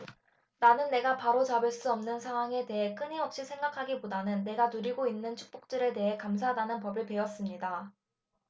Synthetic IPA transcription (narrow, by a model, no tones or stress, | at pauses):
nanɯnːe̞ɡapaɾot͡ɕabɯɭs͈uʌmnɯnsʰaŋɦwaŋe̞te̞ɦe̞k͈ɯɲiɦʌk̚ɕ͈isʰe̞ŋɡakʰaɡipodanɯnːe̞ɡanuɾiɡoinːɯnt͡ɕʰu̥k̚p͈ok̚t͈ɯɾe̞te̞ɦe̞kams̬ʰadanɯnpʌbɯɭpe̞ʌs͈ɯmɲida